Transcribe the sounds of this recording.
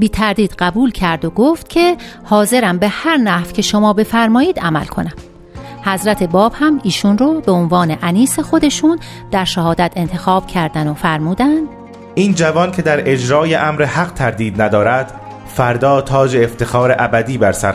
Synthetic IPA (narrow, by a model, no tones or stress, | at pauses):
biːt̪ʰæɾd̪iːd̪̥ɢæbuːlcʰæɾd̪oɡoft̪cʰe̞ | hɒːze̞ɾæmbe̞hæɾnæhv̥cʰe̞ʃo̞mɒːbe̞fæɾmɒːjiːd̪æmæ̰lkʰo̞̰næm | hæzɾæt̪ʰe̞bɒːb̥hæmiːʃunrɔːbeonvɒːne̞ʔæniːse̞xo̞d̪e̞ʃuːn | d̪̥æɾʃæhɒːd̪æt̪ʰe̞nt̪ʰe̞xɒːb̥cʰæɾd̪ænofæɾmuːd̪ænd̪̥ | ʔiːnd͡ʒævɒncʰe̞d̪æɾe̞d͡ʒɾɒːjeʔæmɾehæɢt̪ʰæɾd̪iːd̪næd̪ɒːɾæd̪̥ | fæɾd̪ɒːt̪ʰɒːd͡ʒeːft̪e̞xɒːɾeʔæbæd̪iːbæɾsæ̰ɾ